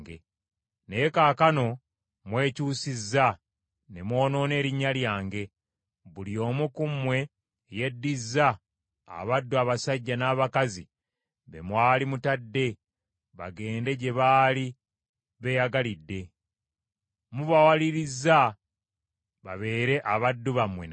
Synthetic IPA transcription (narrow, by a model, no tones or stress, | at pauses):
ɡḛ | nejekaːkano̞ | mwe̞ːcuːsizːa | ne̞mwo̞ːno̞ːne̞ːɾiɲːaljaːŋɡe̞ | βulio̞ːmukumwe̞ː | je̞dːizːa | a̰βadːuaβasaɟːanaːβakazi | βe̞̰mwaːlimutadːe̞ | βa̰ɡe̞ːnde̞ɟe̞βaːli | βe̞jaɡalidːe̞ | muβawaliɾizːa | βa̰βe̞ːɾe̞ʔaβadːuβamwe̞̰n